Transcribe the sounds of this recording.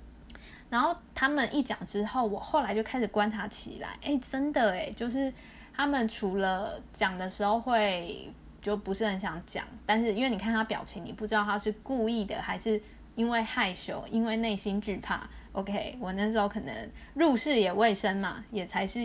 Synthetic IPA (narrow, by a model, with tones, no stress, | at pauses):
ɻa˧˥nxo˥˩ʊt̪ʰa˥mə˨nʔi˥˩t͡ɕjɑ̰˨˩ŋʈ͡ʂɻ̩˥xo˥˩ʊwɔ˨˩xo˥˩la˧ɪt͡ɕjo˥˩ʊkʰa˥ɪʂɻ̩˨˩kwa˦nʈ͡ʂʰa˧˥t͡ɕʰḭ˨˩la̰˧˦ɪʔe˥˩ɪʈ͡ʂə˦˥nd̪ə˨˩e˨˩t͡ɕjo˥˧ʊʂɻ̩˥˩ | t̪ʰa˥mə˨nʈ͡ʂʰu˧˥lə˧t͡ɕjɑ˨˩ŋd̪ə˩ʂɻ̩˧˥xo˥˧ʊxwe˥˧ɪ | t͡ɕjo˥˩ʊpu˧˥ʂɻ̩˥˩hə˧˦nɕjɑ˧˥ŋt͡ɕjɑ̰˨˩˦ŋt̪a˥˧nʂ̬ɻ̩˥˩˧i˥nwe˥˩ni˨˩kʰa˥˩nt̪ʰa˥pjɑ̰˨˩ʊt͡ɕʰi˨˦ŋni˨˩pu˥˩ʈ͡ʂɻ̩˥d̪ɑ˥˧˩t̪ʰa˥ʂɻ̩˥˧ku˥˧i˥˩d̪ə̰˩xa˧˥ɪʂɻ̩˥˩ | i˥nwe˥˧ɪxa˥˩ɪɕjo˨˥˦ʊi˥nwe˥˧ɪne˥˩ɪɕi˥nt͡ɕy˥˧pʰa̰˥˩ʔo˧˥ʊkʰe˦ɪwɔ˨˩na˥˩ʂ̬̩˧˥xo˧˥ʊkʰɤ˨˩nə̰˧˦ŋɻu˥˧ʂɻ̩˥˩jɛ˨˩we˥˩ɪʂə˦˥nma̰˨jɛ˨˩t͡sʰa˧˥ɪʂɻ̩˥˩